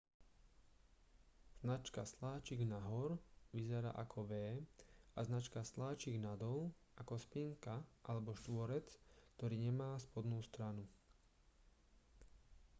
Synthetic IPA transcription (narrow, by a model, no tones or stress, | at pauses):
z̥nat͡ʃkaslaːt͡ʃiɡnaɦɔɾʋizɛɾa̰ːʔakʰɔʋɛːaznat͡ʃkaslaːt͡ʃiɡnad̪ɔl | akɔspiŋkaʔalɛbɔʃt̪ʋɔɾɛt͡skt̪ɔɾiːɲɛmaːspɔd̪nuːst̪ɾanu